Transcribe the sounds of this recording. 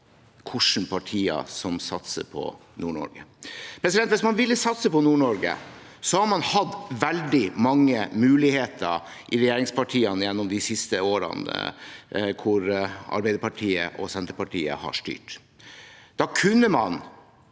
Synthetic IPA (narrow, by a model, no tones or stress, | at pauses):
kʰʊʂn̩pʰɑʈʰiːɑ̰sɔmsɑt̪sə̰pʰɔ̰ | nuːɳɔ̰ɾɡəpʰɾɛsɪd̪ɛnt̪ʋɪsmɑnʋɪlːəsɑt̪səpɔnuːɳɔɾɡə̰ | sɔhɑɾmɑnhɑd̪ʋɛld̪ɪmɑŋːəmʉːlɪheːt̪ʰəɾ | ʔɪɾɛjeːɾɪŋspʰɑʈʰiːɑnjɛnːɔmd̪ɪsɪst̪əoːɾə̰n | kʰʊɾɑ̰ɾbɛɪəpɑʈʰiːə̰ʔɔsɛnt̪əpɑʈʰiːə̰hɑ̰ʂʈy̰ːʈ | d̪̥ɑkʰʉnːəmɑn